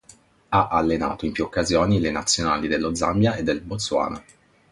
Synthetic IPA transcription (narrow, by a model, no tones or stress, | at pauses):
aʔalːena̰ːt̪oimpjuokːazjoːnilenat̪sːjona̰ːlid̪elːod̪za̰mbjaed̪ːelbot̪sːwa̰ːna